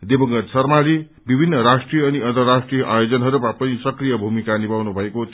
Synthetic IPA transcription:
d̪ebʌŋɡʌɾsʌrmaɾi | bibʱinːʌɾasʈrijʌːniʌnt̪ʌrːasʈrijʌʔajod͡zʌnɦʌɾuapʌnisʌkrijʌbʱumikanibawnubʱʌekot̪

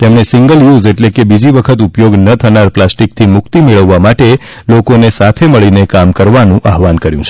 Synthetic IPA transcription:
t̪emɳesiŋɡəljuzeʈlekebid͡ʒiʋəkʰət̪upjoɡnət̪ʰənaɾplasʈik̚t̪ʰimʊkt̪imeɭəʋːamaʈe | lokonesat̪ʰeməɭinekamkəɾʋanũʔaɦʋankəɾjṵ̃t͡ʃʰ

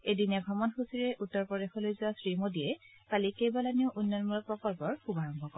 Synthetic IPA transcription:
ejdinaɡʱɹɔmɔnxusiɹɛʔutːɔɹpɹɔdexɔlojzʊasɹimodijɛ | palikejbɔlaniʊʔunːɔnmulɔpɹɔkɔlpɔɹxubaɹɔmbʱɔkɔɹ

